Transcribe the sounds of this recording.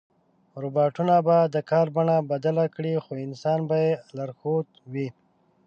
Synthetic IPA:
ɾubɑʈunabad̪əkɑɾbaɳabad̪alakɽixoɪnsɑnbajelaɾxot̪wi

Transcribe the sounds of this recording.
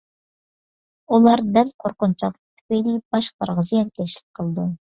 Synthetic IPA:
ulˠɑɾd̪ælqʰoɾqʊnt͡ʃʰɑq̪ˠət̪ʰy̥pejlib̥ɑʃqʰəɾʁəzijɛnkʲʰɛʃlɪ̥k̚ʲqʰəlˠɨd̪u

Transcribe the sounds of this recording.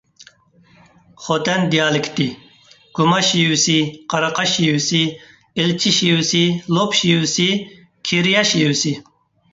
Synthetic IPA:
χot̪ɛnd̪ijɑːlɪkʲt̪i | ɡ̥umɑʃijusiqʰɑɾɑqɑʃijusi | ɪlt͡ʃʰiʃiusilopʃijusi | kʲʰiɾjɑʃijusi

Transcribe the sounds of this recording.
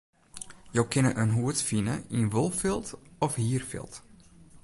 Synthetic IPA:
jowkɪnəʔənɦuətfinə̰inʋolˠfɪlˠtɔfhiːərfɪ̰lˠt

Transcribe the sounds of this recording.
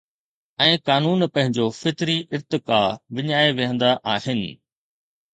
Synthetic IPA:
ɛ̃ːkaːnuːnpɐ̃ɦɪ̃ɲd͡ʑofɪt̪ɾiʔɪɾt̪ɪkaːʋɪɲaːeʋɪɦə̃nd̪aʔaːhɪnɪ̆

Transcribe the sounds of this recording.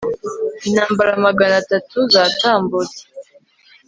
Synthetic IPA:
inaːmbaɾamaɡanatatuzaːtaːmbud͡ze̥

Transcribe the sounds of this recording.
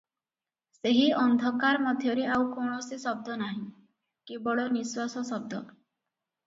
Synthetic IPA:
seɦiɔnd̪ʱɔkaɾmɔd̪ʱjɔɾeawkoɳ̃ɔsisɔb̚d̪ʱɔnaɦĩ | kibɔɭɔniswasɔsɔb̚d̪ʱɔ

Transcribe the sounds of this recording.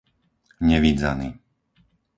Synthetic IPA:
ɲɛʋid͡za̰ni

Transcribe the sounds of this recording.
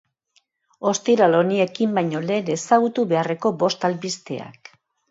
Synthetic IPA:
o̞st̪iɾalo̞niekimbajɲo̞le̞ne̞saɣut̪uβe̞are̞ko̞bo̞st̪alβist̪ḛa̰k

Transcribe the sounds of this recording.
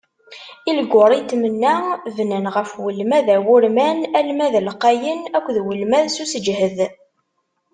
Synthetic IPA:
ilɡʷʊɾˤit̪ːmənːævnənʁəfwəlmæðæwʊɾmænælmæðlqæjənækʷːðwəlmæðsusəd͡ʒhəð

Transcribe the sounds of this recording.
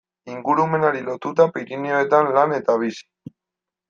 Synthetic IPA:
iŋɡuɾume̞naɾilo̞t̪ut̪apiɾinioet̪anlane̞t̪aβ̞isi̥

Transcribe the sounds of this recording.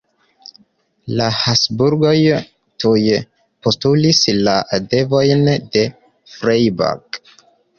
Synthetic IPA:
lahasbuɾɡo̞j | tuje | po̞stulislaadevo̞jnde̞ | fɾejba̰k

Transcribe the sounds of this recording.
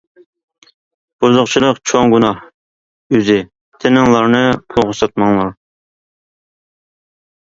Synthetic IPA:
b̥uzʊqt͡ʃʰilˠəqt͡ʃʰoŋɡunɑh | yzɪ | t̪ʰɪnɪŋlˠɑɾnɨpʰoʁʊsɑt̪̚mɑŋlˠɑɾ

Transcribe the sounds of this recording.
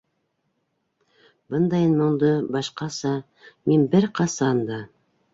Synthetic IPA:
bɤnd̪ɑjnmŏɴd̪ɤbɑʃqɑsɑ | minbɘɾqɑsɑnd̪ɑ

